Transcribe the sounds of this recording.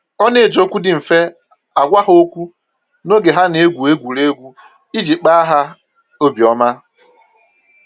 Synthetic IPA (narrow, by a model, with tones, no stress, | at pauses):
ɔ˦ne˨d͡ʒo˦kʷu˦dɪ˨ɱ̩˨fe˦ | a˨ɡʷa˦ɦo˦kʷu˦ | no˦ɡe˨ɦa˦ne˨˦ɡʷu˨e˦ɡʷu˨ɾe˦ɡʷu˦ | i˦d͡ʒi˨k͡pa˦a˦ɦa˦ | o˦bi˨ɔ˦ma˦